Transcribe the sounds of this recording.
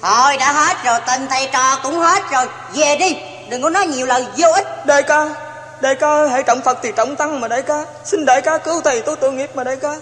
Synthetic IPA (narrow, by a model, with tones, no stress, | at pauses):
h̪o˧˩jɗa̰ː˧˥ɦe˦˥t̚zo˨˩jt̪ə˨˩ŋt̪ʰa˨˧˩jt͡ɕɔ˧˩kʊ̰˧˥ŋ͡mhe˦˥t̚zo˨˩j | ve˨˩ɗi˧ | ɗɨ˨˩ŋkːnɔ˨˦jɲi˨˩əwlə˨˩nzo˧ʔi˦˥t̚ɗə˧˩jkaː˧˦ | ɗə˧˩jkaː˧˦ʔə˧jɦə̰˧˥jt͡ɕə̰˧˨wŋ͡mfə˨˩k̚t̪ʰi˨˩t͡ɕə̰˧˨wŋ͡mt̪a˧ŋmaː˨˩ɗə˧˨jkaː˨˦ | sï˧nɗə̰˧˨˩jkaː˨˧˦kɨ˨˧˦wt̪ʰi˨˩jt̪o˧˦jt̪u˧˦jŋi˨˩əp̚maː˨˩ɗə˧˨˦jkaː˧˦